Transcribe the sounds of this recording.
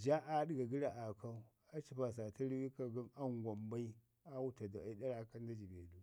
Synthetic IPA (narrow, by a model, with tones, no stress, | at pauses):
d͡ʒa˦ʔa˦ɗi˦ɡa˨ɡi˦ɾa˨ʔa˨ka˦u˦ | a˦t͡ʃi˦pa˨s̬a˨ta˦ɾi˦wi˦ka˦ɡi˦na˦ŋɡʷa˨mba˦i˦ | a˦wu˦ta˨da˨a˨i˦da˦ɾa˦ka˦n˦da˦d͡ʒi˨bḛ˨du˦